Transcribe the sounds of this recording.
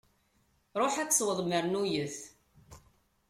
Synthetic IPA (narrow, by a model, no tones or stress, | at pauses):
ɾˤoħæt͡sːsˤwəðˤməɾnujəθ